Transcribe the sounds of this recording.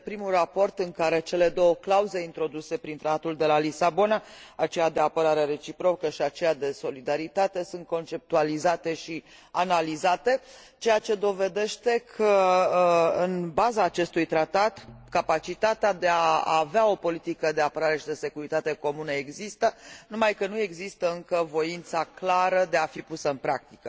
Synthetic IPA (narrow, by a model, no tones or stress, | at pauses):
pɾimulrapo̞rt̪ɨŋkaɾe̞t͡ʃe̞le̞d̪o̞wəklauze̞int̪ɾo̞d̪use̞pɾint̪ɾat̪at̪uld̪e̞lalisabo̞naat͡ʃe̞jad̪e̞apəɾaɾeɾe̞t͡ʃipɾo̞kəʃiat͡ʃe̞jad̪e̞so̞lid̪aɾit̪at̪e̞sunt̪̚ko̞nt͡ʃe̞p̚t̪ualizat̪e̞ʃi | analizat̪e̞ | t͡ʃe̞jat͡ʃe̞d̪o̞ve̞d̪e̞ʃt̪e̞kʰə | ɨnbazaːt͡ʃe̞st̪ujt̪ɾat̪at̪kapat͡ʃit̪at̪ead̪e̞aaveao̞po̞lit̪ikəd̪e̞apəɾaɾe̞ʃid̪e̞se̞kuɾit̪at̪e̞ko̞munəe̞ɡzist̪ənumajkənue̞ɡzist̪əɨŋkəvo̞int̪saklaɾəd̪e̞afipusəɨnpɾak̚t̪ikə